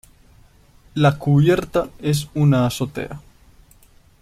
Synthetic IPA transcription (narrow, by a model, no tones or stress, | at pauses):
lakuβje̞ɾt̪ae̞s̬unaːsot̪ḛʔa